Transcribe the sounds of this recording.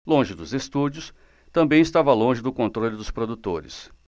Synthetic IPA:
lõʒɪd̪ʊzest̪ud͡ʒiʊs | t̪ɐ̃mbẽj̃ɪst̪avɐlõʒɪd̪ʊkõnt̪ɾolʲʊd̪ʊspɾod̪ut̪oɾɪ̰s

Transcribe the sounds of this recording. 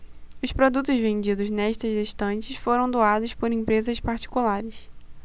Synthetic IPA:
ʊspɾod̪ut̪ʊzvẽnd͡ʒid̪ʊznɛʃt̪ɐzd̪eʃt̪ɐ̃nt͡ʃɪsfoɾɐ̃w̃d̪oad̪ʊʃpoɾẽmpɾezɐspaɾt͡ʃi̥kulaɾɪs

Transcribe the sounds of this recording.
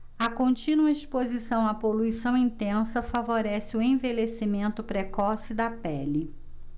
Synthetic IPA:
ɐkõnt͡ʃĩnuɐespozisɐ̃w̃ɐpoluisɐ̃w̃ĩnt̪ẽsɐfavoɾɛsɪʊẽvelesimẽnt̪ʊpɾekɔsɪd̪ɐpɛli

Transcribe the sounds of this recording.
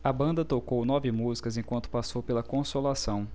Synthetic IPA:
ɐbɐ̃nd̪ɐt̪okownɔvɪmuzikɐzẽj̃kwɐ̃nt̪ʊ̥pasowpelɐkõsolasɐ̃w̃

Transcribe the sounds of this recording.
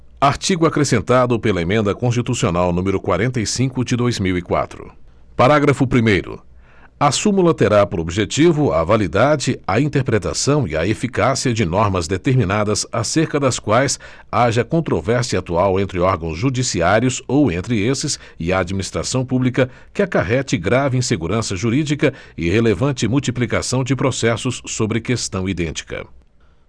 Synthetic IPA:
aɾt͡ʃiɡʊakɾesẽnt̪ad̪ʊpelɐemẽnd̪ɐkõs̬t͡ʃit̪usionawnũmɪɾʊkwaɾẽnt̪ɐjsĩkʊd͡ʒɪd̪ojzmiwikwa̰t̪ɾʊ̰ | paɾaɡɾɐfʊpɾimejɾʊ̰ | asũmulɐt̪eɾapoɾobiʒet͡ʃivʊa̰valid̪ad͡ʒɪɐĩnt̪eɾpɾet̪a̰sɐ̃w̃ḭɐefikasiɐd͡ʒɪnɔɾmɐzd̪et̪eɾmĩnad̪ɐsaseɾkɐd̪ɐskwajs | aʒɐkõnt̪ɾovɛɾsiɐat̪uawẽnt̪ɾɪɔɾɡɐ̃w̃zʒud͡ʒisiaɾjʊsowẽnt̪ɾɪesɪs | ɪɐːd͡ʒminist̪ɾa̰sɐ̃w̃publikɐ | kɪakaɦɛt͡ʃɪɡɾavɪĩseɡuɾɐ̃sɐʒuɾid͡ʒikɐɪhelevɐ̃nt͡ʃɪmuwt͡ʃiplikasɐ̃w̃d͡ʒɪpɾosɛsʊsːobɾɪkest̪ɐ̃w̃id̪ẽnt͡ʃi̥kɐ̰

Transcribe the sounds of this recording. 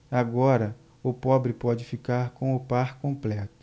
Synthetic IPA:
aɡɔɾɐ | ʊpɔbɾɪpɔd͡ʒɪfikaɾkõʊpaɾkõmplɛt̪ʊ̥

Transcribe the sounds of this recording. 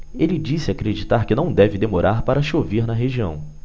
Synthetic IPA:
elɪd͡ʒisɪakɾed͡ʒit̪aɾkɪnɐ̃w̃d̪ɛvɪd̪emoɾʔaɾpaɾɐʃoveɾnɐɦeʒiɐ̰̃w̃

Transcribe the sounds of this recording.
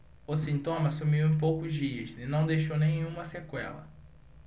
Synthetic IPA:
ʊsĩnt̪õmɐsumiwẽj̃powkʊzd͡ʒiɐzɪnɐ̃w̃d̪ejʃownẽj̃ũmɐsekwɛ̰lɐ̰

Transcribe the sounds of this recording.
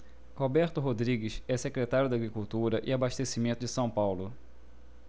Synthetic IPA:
hobɛɾt̪ʊɦod̪ɾiɡɪʃɛsekɾet̪aɾjʊd̪aɡɾikuwt̪uɾɐʔɪabaʃt̪esimẽnt̪ʊd͡ʒɪsɐ̃w̃pawlʊ

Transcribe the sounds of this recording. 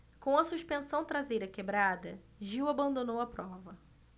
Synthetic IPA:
kõw̃ɐsuʃpẽsɐ̃w̃t̪ɾazejɾɐkebɾad̪ɐ | ʒiwabɐ̃nd̪õnowɐpɾɔvɐ

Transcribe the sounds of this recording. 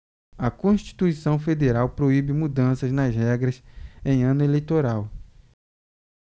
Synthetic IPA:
ɐkõʃt͡ʃi̥t̪uisɐ̃w̃fed̪eɾawpɾoibɪmud̪ɐ̃sɐznɐzhɛɡɾɐsẽj̃ɐ̃nʊelejt̪oɾaw

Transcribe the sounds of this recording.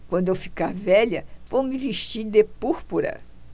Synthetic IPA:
kwɐ̃nd̪ʊewfi̥kaɾvɛʎɐvowmɪviʃt͡ʃiɾd̪epuɾpuɾɐ̰

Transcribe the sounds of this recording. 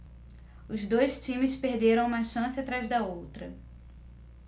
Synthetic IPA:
ʊzd̪ojst͡ʃĩmɪspeɾd̪eɾɐ̃w̃ũmɐʃɐ̃sɪat̪ɾajzd̪ɐowt̪ɾɐ

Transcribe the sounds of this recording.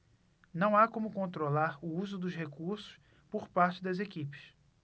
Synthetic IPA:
nɐ̃w̃akõmʊkõnt̪ɾolaɾʊuzʊd̪ʊʃhekuɾsʊ̥ʃ | poɾpaɾt͡ʃɪd̪ɐzekipɪ̥s

